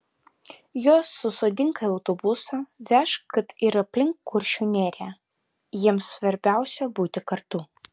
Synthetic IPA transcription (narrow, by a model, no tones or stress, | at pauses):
joːsːʊsoːd̪ʲɪŋkɐɪɐʊt̪obʊsɐʋʲæʃkɐt̪ɪɾɐpʲlʲɪŋkːʊɾʲʃʲuːnʲeːɾʲæː | jiɛmsʋɐɾʲbʲæˑʊsʲɛbuːt̪ʲɪkɐɾt̪u